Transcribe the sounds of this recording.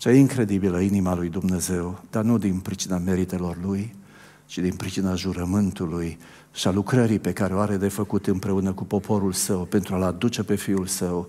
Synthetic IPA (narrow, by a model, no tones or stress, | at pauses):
t͡ʃajeiŋkɾe̞d̪ibiləinimalujd̪umne̞ze̞wd̪̥arnud̪inpɾit͡ʃiname̞ɾit̪e̞lo̞rluj | t͡ʃid̪inpɾit͡ʃinaʒuɾəmɨnt̪uluj | ʃialukɾəɾipe̞kaɾe̞oaɾe̞d̪e̞fəkut̪ɨmpɾe̞unəkupo̞pʰo̞ɾulsəwpe̞nt̪ɾualad̪ut͡ʃe̞pe̞fiulsəw